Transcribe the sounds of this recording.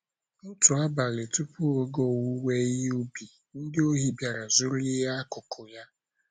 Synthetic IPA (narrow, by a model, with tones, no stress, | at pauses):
n̩˦tʊ˨a˦ba˨le˨tʊ˦pʊ˦o˦ɡo˦˨wu˦we˦i˦ɦu˦bi˨ | n̩˦dɪ˦o˦ɦi˦bja˨ɾa˨zʊ˦ɾʊ˦ɪ˦ɦa˦a˦kʊ˨kʰʊ˨ja˦